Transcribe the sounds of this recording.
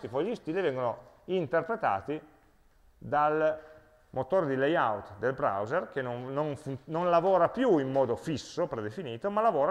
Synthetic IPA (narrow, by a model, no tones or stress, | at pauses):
t̪ipɔist̪iːlevɛŋɡono | int̪erpɾet̪a̰ːt̪i | d̪al | mot̪oːɾd̪ilejawt̪d̪elbɾa̰wzerkenonnonfunnonlavoːɾapjuimːɔːd̪ofisːopɾed̪efiniːt̪omalːavoːɾa